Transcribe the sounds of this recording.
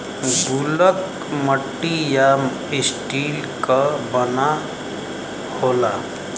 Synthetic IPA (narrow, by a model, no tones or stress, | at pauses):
ɡulək | məʈːija | isʈil | kəbəna | hola